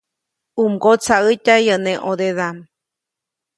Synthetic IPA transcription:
umɡot͡saɯtʲajənẽʔod̪eðam

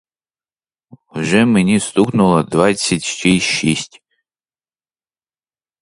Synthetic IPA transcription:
wʒɛmɪnʲist̪uknʊlˠɐd̪vat͡sʲːɐtʲʃt͡ʃiʃisʲtʲ

